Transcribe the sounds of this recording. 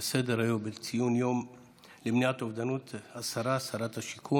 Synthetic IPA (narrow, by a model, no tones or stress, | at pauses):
sed̪eɾajobet͡sijunjom | lemniat̪ovd̪anut̪asaɾaːsaɾat̪haʃikʰu